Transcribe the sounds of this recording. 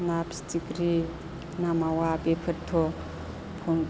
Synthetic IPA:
napstikɾi | namawabepʰəɾt̪ʰɔ | pʰɔn

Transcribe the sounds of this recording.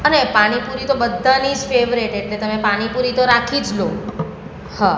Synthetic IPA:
ənepaɽ̃ipuɾit̪obəd̪ʱːanid͡ʒfeʋɾeʈeʈlet̪əmepaɽ̃ipuɾit̪oɾakʰid͡ʒlo | hã

